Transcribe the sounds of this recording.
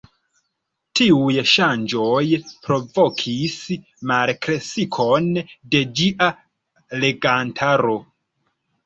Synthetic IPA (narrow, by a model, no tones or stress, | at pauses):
tiujʃand͡ʒo̞jpɾo̞vo̞kʰis | malkɾesikʰo̞nde̞d͡ʒiʔa | le̞ɡantʰaɾo̞